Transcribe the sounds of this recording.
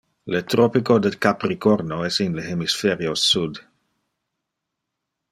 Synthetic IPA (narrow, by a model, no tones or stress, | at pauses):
let̪ɾopikod̪ekapɾikoɾnoɛsinleɦemisfeɾiosud̪